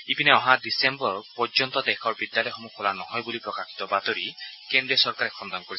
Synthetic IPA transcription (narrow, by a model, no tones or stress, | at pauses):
ipinɛɔɦadisembɔɹpɔɹd͡ʒɔnt̪ɔd̪ɛkʰɔɹbid̪jalɔjɔxɔmukʰɔlanɔɦɔjbulipɹɔkakʰi̥t̪ɔbat̪ɔɹikend̪ɹiɔsɔɹkaɾɛkʰɔnd̪ɔnɔkoɹis